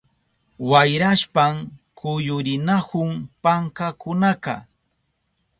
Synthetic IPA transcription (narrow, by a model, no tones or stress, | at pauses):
wajɾaʃpamkʰʊjʊɾɪnahʊŋpaŋkakʊnakɑ̰